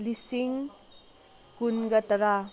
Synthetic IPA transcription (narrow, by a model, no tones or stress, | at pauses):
lisiŋ | kunɡɐtɐɾa